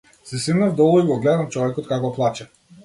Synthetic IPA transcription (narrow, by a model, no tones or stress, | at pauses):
sɛsinavd̪ɔlˠɔiɡɔɡlɛd̪amt͡ʃɔvɛkɔt̪̚kakɔplˠat͡ʃɛ